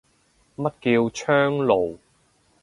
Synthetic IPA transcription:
mɐ˥t̚kiː˧wt͡ʃʰœː˥ŋlo˨˩w

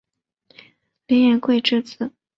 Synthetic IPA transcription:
li˧˥njɛ˧˥nkwe˥˧ɪʈ͡ʂɻ̩˥˧t͡sɹ̩˥˩

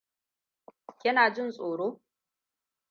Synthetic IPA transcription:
kʲɪ˦naː˨d͡ʒɪ˦nsʼoː˨ɽoː˦

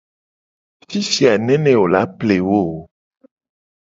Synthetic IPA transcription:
fi˦si˨a˨nɛ̃˦nɛ̃˦wo˨la˦ple˨wo˦˨

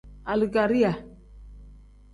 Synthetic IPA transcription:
a˨li˨ɡa˨ɾi˦a˨

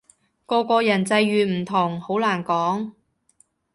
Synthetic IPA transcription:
kɔː˧kɔː˧jɐ˨˩nt͡sɐ˧jɥyː˨˩m̩˨˩t̪ʰʊ˨˩ŋho˨˥wlaː˨˩nkɔː˨˥ŋ

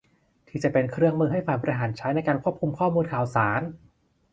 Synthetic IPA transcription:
t̪ʰiː˥˩t͡ɕa˨˩pe˧nkʰɾɯ˥˩əŋmɯː˧ɦa˥˩jfaː˨˩jbɔ˧ɾi˧ɦaː˩˦nt͡ɕʰa˦˥jna˧jkaː˧nkʰu˥˩əp̚kʰu˧mkʰɔː˥˩muː˧nkʰaː˨˩wsaː˩˦n

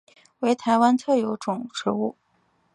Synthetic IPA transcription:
we˧˥ɪt̪ʰa˧˥ɪwa˥nt͡s̪ʰɤ˥˩jo˧˥ʊʈ͡ʂʊ˨˩˦ŋʈ͡ʂɻ̩˧˥u˥˩

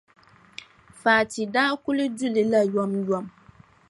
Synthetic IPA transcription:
faː˨tɪ˨daː˦kʊ˦lɪ˦du˦lɪ˨la˦jɔ˦mjɔ˦m

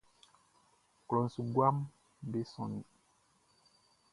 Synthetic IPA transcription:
klɔ˨nsu˨ɡwa˦m˦ | be˦sɔ̰˨ni˨

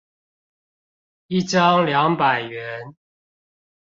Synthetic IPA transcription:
i˥˨ʈ͡ʂɑ˦ŋljɑ˨˦ŋpa˨˩ɪɥɛ˨˦n

